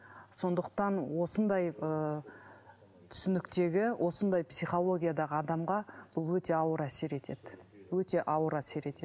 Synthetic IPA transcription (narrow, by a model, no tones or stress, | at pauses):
so̞nd̪əq̚t̪ɑnwo̞sənd̪ɑjə | t̪ʰʏ̥sʏnɪkt̪e̞ɡʲɪwʔo̞sənd̪ɑjpsijχo̞lˠo̞ɡʲijad̪ɑʁəɑd̪ɑmʁɑb̥ʊlˠwɵt̪e̞ɑwəɾæse̞ɾe̞t̪ʰe̞d̪̥ɪwɵt̪e̞ʔɑwəɾæse̞ɾe̞t̪e